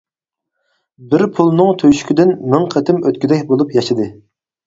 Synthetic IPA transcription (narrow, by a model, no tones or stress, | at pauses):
bɪɾpʰulˠnɨŋt̪ʰøʃy̥kʲid̪ɪnmɨŋqʰət̪ʰɪmøt̪kʲid̪ɛkʲbolˠupjɑʃɨd̪ɨ